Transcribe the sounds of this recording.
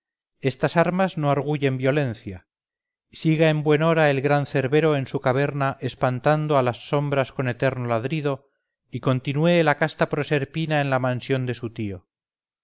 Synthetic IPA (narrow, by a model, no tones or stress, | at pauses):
e̞st̪asaɾmazno̞aɾɣ̞uʝe̞mbjo̞le̞nθja | siɣae̞mbwe̞no̞ɾae̞lɣɾanθe̞ɾβe̞ɾo̞e̞nsukaβe̞ɾnaʔe̞spant̪and̪oalasːo̞mbɾasko̞ne̞t̪e̞ɾnolaðɾiðo̞ | iko̞nt̪inwelakast̪apɾose̞ɾpinaenlamãnsjo̞nd̪e̞sut̪io̞